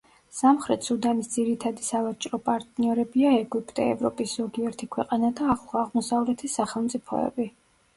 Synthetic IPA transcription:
samχɾɛt̪ʰsud̪amisd̪ziɾit̪ʰad̪isavat͡ʃʼɾɔpʼaɾt̪ʼniɔɾɛbiaɛɡwipʼt̪ʼɛ̰ɛ̰vɾɔ̰pʼisz̥ɔɡiɛɾt̪ʰikʰwɛqʼanad̪aːχlˠaʁmɔsavlɛt̪ʰisaχɛlˠmt̪sʼipʰɔ̰ɛ̰bi

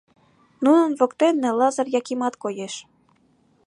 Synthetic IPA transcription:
nunənβokt̪enːelɑzɤrjɑkimɑt̪kojeʃ

